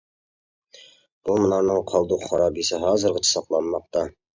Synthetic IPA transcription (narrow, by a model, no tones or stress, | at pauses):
b̥ulˠmə̆nɑɾnɤɴqʰɑlˠd̪uqχɑɾɑbisəɦɑzə̆ɾʁət͡ʃʰɑ̥sɑqlˠɑnmɑq̚t̪ɑ